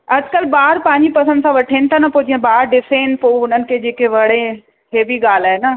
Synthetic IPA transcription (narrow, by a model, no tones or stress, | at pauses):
ɐd͡ʑkəlbaːɾpãːɲd͡ʑipɐsə̃nd̪sãʋɐʈʰeːnɪ̆t̪ʰanɐpoːd͡ʑiãbaːɾɖɪseːnɪ̆poːʊnənɪ̆kʰed͡ʑeːkeʋɐɽẽ | ɦeːbʱiɡaːl̤aːɦena